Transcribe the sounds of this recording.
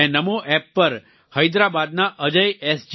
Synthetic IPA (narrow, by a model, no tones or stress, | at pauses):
ẽnəmoʔɛpːəɾ | həjd̪ɾabad̪̚naʔəd͡ʒəjɛsd͡ʒ